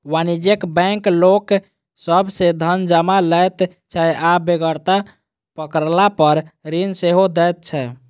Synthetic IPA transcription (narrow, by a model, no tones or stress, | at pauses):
wanid͡ʒekbɛ̃ŋklok | səbʱsed̪ʱənd͡ʒəmalɛt̪ | t͡ʃʰɛabeɡəɾt̪a | pəkəɾlapəɾɾinseɦod̪ɛt̪̚t͡ʃʰɛ